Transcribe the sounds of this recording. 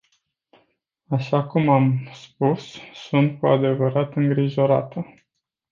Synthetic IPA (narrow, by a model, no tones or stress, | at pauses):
aʃakumamspusːunt̪̚kua̰d̪e̞vəɾat̪ɨŋɡɾiʒo̞ɾa̰t̪ə